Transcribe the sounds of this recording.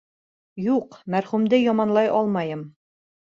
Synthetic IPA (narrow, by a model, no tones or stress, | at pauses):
juqmæɾχʉmd̪ɘjɒmɑnlˠɑjʔɒlˠmɑjɤm